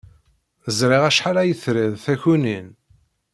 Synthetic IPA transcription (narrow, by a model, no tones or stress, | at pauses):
θəzɾiʁæʃħalæjəθɾiðθæçunin